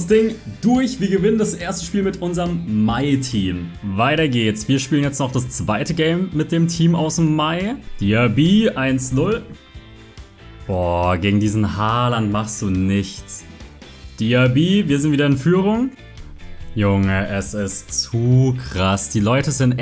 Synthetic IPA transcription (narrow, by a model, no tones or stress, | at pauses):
sd̥ɪŋd̥ʊɐçv̥iːɐɡəvɪnəndasʔeːɐstə̥ʃpiːlmɪtʔʊnzɐʁəmːaɪtʰiːmvaɪtɐɡeːtsv̥iːɐʃpiːlənjɛt͡stnɔχd̥ast͡sv̥aɪtəɡɛɪmːɪt̚d̥eːmtʰiːmaʊsmːaɪd̥iːabiːʔaɪnsnʊl | b̥ɔːɡeːɡŋ̩diːzn̩haːlantmaχstd̥uːnɪçt͡s | d̥iːabiːviːɐzɪntviːdɐɪnfyːʁ̞ʊŋ | jʊŋəʔɛsɪstt͡suːkʁ̥asd̥iːlɔʏtəzɪnt